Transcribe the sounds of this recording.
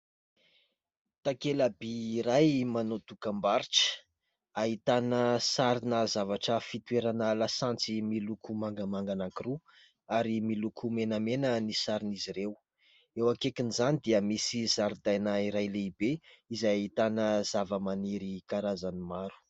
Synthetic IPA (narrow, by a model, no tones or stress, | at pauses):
t̪akelabiːɾajmanot̪ukambaɾiʈ͡ʂə̥ | aɦit̪anəsaɾinəzavaʈ͡ʂəfit̪uweɾanəlasãnt͡similukʰumaŋɡəmaŋɡanaŋkiɾu | aɾimilukʰumenəmenənisaɾiniziɾew | ewakekinizanid̪iəmisizaɾid̪ajnaiɾajleibeizajait̪anəzavəmaniɾikaɾazanimaɾu̥